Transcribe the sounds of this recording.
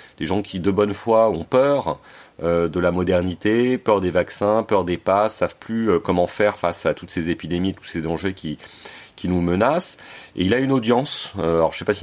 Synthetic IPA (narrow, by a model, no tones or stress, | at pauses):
d̪̥eʒɑ̃kʲid̪əbɔnfwaɔ̃pœʁød̪əlamɔd̪ɛʁnit̪epœʁd̪evaksɛ̃pœʁd̪epasavplyøkɔmɑ̃fɛʁfasat̪ut̪sezepid̪emiet̪u̥sed̪ɑ̃ʒekʲikʲinumənasḛilaynod̪jɑ̃søalɔʁʒəse̥pasi